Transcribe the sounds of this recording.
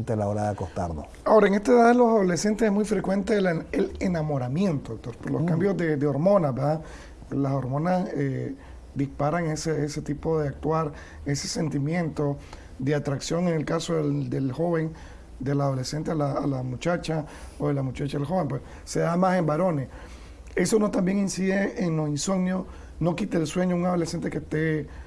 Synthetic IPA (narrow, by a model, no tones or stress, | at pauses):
nt̪elaoɾaðeakost̪a̰ɾno | ao̞ɾaeŋe̞st̪eðaðelosaðo̞le̞se̞nt̪esesmujfɾe̞kwe̞nt̪elelenamo̞ɾamje̞nt̪oðok̚t̪o̞ɾpoɾlo̞skambjo̞zd̪ed̪eo̞ɾmo̞naβeɾd̪a | laso̞ɾmo̞nase | d̪ispaɾaŋeseeset̪ipo̞ðeak̚t̪waɾ | e̞se̞̥se̞nt̪imje̞nt̪o̞ | d̪eat̪ɾaksjo̞ŋenelkasoðed̪elxo̞βe̞ŋ | d̪e̞lað̞o̞lese̞nt̪ealaːlamut͡ʃat͡ʃaoðelamut͡ʃat͡ʃaelxo̞βe̞ŋmpwes | se̞ðamase̞mbaɾo̞ne̞s | e̞so̞no̞t̪ambje̞ŋinsiðeeŋlosinso̞ɡnjo | no̞kit̪eːlswe̞ɲouŋað̞o̞lese̞nt̪ekest̪e̞